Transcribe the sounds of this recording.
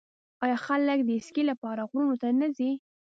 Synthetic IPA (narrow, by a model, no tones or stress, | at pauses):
ɑjɑxaləkd̪əɪskilapɑɾaɣɾunot̪anazi